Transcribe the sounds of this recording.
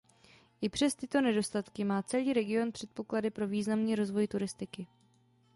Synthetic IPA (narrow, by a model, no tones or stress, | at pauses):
ʔɪpr̥ɛst̪ɪt̪o̞nɛdo̞st̪at̪kɪmaːt͡sɛliːɾɛɡɪo̞npr̝̥ɛt̪̚po̞kladɪpɾo̞viːznamniːɾo̞zvo̞jt̪uɾɪst̪ɪkɪ